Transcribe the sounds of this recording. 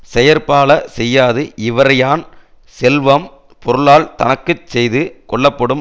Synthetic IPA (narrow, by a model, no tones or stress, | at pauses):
sɛjɐɾpaːlɐsɛjːaːðɯʔɪʋɐɾɐjaːn | sɛlʋɐm | pɔɾɯɭaːlt̪ɐnɐkːɯt͡ʃsɛjðɯkɔɭːɐpːɐɽɯm